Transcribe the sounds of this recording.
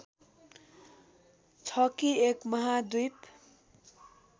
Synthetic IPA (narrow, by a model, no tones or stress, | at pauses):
t͡sʰʌkiekmʌɦad̪ujt̪